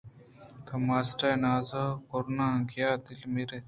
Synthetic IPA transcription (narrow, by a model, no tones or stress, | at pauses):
kɐmaːsʈaːjnaːzɐkoɾnaːɡjaːd̪ilmiɾe